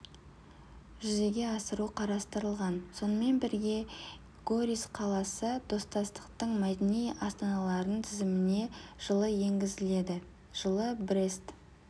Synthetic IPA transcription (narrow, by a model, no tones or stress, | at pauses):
ʒʏze̞ɡʲe̞ɑsəɾuqʰɑɾɑst̪əɾəlˠʁɑnso̞nəme̞nbɪɾɡʲe̞ | ɡ̥o̞ɾʲisqʰɑlˠɑsəd̪̥o̞st̪ɑst̪ə̥qt̪əɴmæd̪enijɑst̪ɑnɑlˠɑɾənt̪ʰɪzɪmɪne̞ʒ̥əlˠəje̞ŋɡʲɪzɪle̞d̪ɪ | ʒ̥əlˠəbɾest̪